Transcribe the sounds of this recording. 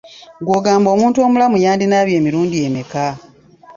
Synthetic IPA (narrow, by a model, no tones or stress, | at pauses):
ɡwoːɡaːmbo̞ːmuːntuo̞ːmulamujaːndinaːβje̞ːmiɾuːndieːmeka